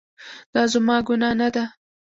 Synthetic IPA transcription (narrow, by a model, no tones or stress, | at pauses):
d̪̥ɑzamɑɡunɑnad̪a